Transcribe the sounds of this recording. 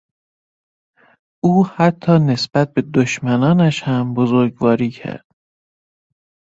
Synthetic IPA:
ʔuːhæt̪ʰːɒːne̞sb̥æt̪̚be̞d̪oʃmænɒːnæʃhæmbozoɾɡvɒːɾiːcʰæ̰ɾd̪̥

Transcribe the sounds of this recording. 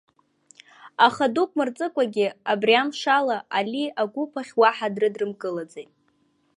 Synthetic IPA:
aχadukʷʼmɨrt͡sʼɨkʷʼaɡʲɪabrjamʂalaʔaliaɡʷupʰaχʲwaħadrɨdrɨmkʼɨlad͡zejtʼ

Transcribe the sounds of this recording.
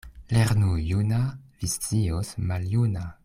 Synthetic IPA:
leɾnujunavist͡siosmaljuna

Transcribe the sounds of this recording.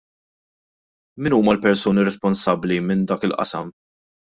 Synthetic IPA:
mɪnuːmɐlpɛɾsuːniɾɛspɔnsɐbːlimɪnd̪ɐːkɪlʔɐ̰sɐ̰m

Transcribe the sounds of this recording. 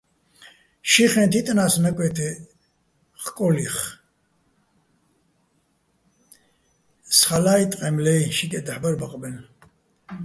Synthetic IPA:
ʃiχɛnt̪ʰit̪ʼnaːsnakʼwɛt̪ʰɛ | χkʼɔliχ | sχalaːjt̪ʼqʼɛmlɛjʃikʼɛd̪aħbaɾbaqʼbɛn

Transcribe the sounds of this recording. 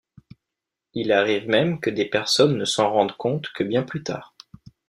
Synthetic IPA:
ilaʁivmɛmkəd̪epɛʁsɔnːəsɑ̃ʁɑ̃d̪ʁkɔ̃t̪kʰəbjɛ̃plyt̪a̰ːʁ

